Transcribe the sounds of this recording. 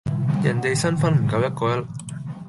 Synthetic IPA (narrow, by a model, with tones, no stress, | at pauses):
jɐ˨˩nt̪e˨jsɐ˥nfɐ˥nm̩˨˩kɐ˧wjɐ˥t̚kɔː˧jɐ˥